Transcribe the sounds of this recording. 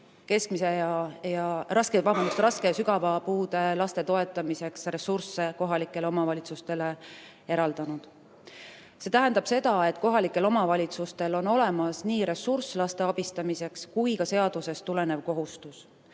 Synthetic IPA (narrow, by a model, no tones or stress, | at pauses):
ke̞skmise̞jɑjɑrɑsket̪vɑmɑnust̪ɾɑske̞jɑsyɡɑvɑpuːd̪e̞lɑst̪e̞t̪o̞e̞t̪ːˑɑmise̞ksre̞sursːe̞ko̞ɦɑlikːˑe̞leo̞mɑvɑlʲit̪sust̪e̞le̞ | e̞ɾɑld̪̥ɑnud̪̥ | se̞t̪æɦænd̪ɑb̥se̞d̪ɑe̞t̪ːˑko̞ɦɑlikːˑe̞lo̞mɑvɑlʲit̪sust̪e̞lo̞no̞le̞mɑsniːɾe̞surslɑst̪e̞ɑb̥ist̪ɑmise̞kskujkɑse̞ɑd̪̥use̞st̪ːule̞ne̞vko̞ɦust̪us